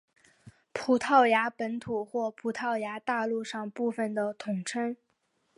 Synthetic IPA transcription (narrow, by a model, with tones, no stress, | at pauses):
pʰu˨˩t̪ʰɑ˥˩ʊja˧˥pə˧˥nt̪ʰu˨˩xwɔ˥˩pʰu˨˩t̪ʰɑ˥˩ʊja˧˥t̪a˥˧lu˥˧ʂɑ˥˧ŋpu˥˩fə˩nd̪ə˩t̪ʰʊ˨˩ŋʈ͡ʂʰɤ˥ŋ